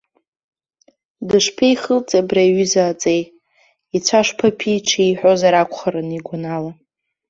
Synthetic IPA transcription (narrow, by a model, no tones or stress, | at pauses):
dɨʂpʰejχəlt͡sʼabraiɥʏzaːt͡sʼej | it͡sʷʰaʂpʰapʰiʈ͡ʂʰiiħʷᶣozaɾakʷʰχaɾɨniɡʷanala